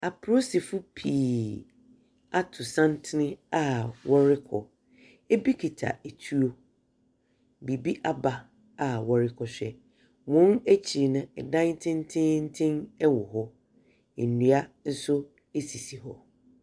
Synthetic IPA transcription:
a˨pʰɾo˦sɪ˨fʊ˦pʰiː˨ | a˦tʰʊ˨sã˦n˦tʰɪ˦nɪ̃˦a˦wɔ˦ɾɪ˦kʰɔ˨ | e˦bi˦kʰi˨tʰa̰˨e˨tʰu˦o˦ | bi˨bi˦ʔa˦ba˨ | a˨wɔ˨ɾɪ˦kʰɔ˨ɕᶣɛ˨ | wɔ̃˦næ˦t͡ɕʰi˨nʊ̃˨ɛ˨dã˦ŋ˦tʰɪ̃˦n˦tʰɪ̃˦n̩˦tʰɪ̃˦nɛ˦wɔ˨ɦɔ˦˨ | nĩ˨a˦n̩˦sʊ˦ | e˦si˨si˨ɦɔ˨

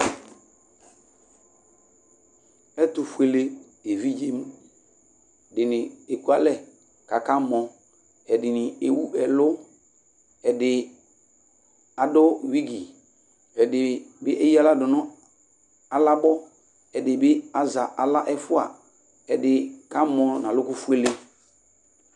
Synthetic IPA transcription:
ɛ˦tʊ˨fu˨e˨le˦ | e˨vi˦d͡ʒe˦m˦ | ɛ˨dɪ˨nɪ̃˨e˨ku˦a˦lɛ˦˨ | ka˨ka˦mɔ˨ | ɛ˨dɪ˨nɪ˨e˨wu˦ʔɛ˨lʊ˦ | ɛ˨dɪ˨ | a˨dʊ˦wi˦ɡi˨ | ɛ˨dɪ˨bɪ˦ʔe˦ji˦a˦la˦dʊ˨nʊ̃˦ | a˨la˦bɔ˦ | ɛ˨dɪ˨bɪ˦a˨za˨ʔa˨la˦ʔɛ˦fʊ˦a̰˨ | ɛ˨dɪ˨ka˦mɔ˨nã˨lʊ˦kʊ˦fu˦e˦le˦

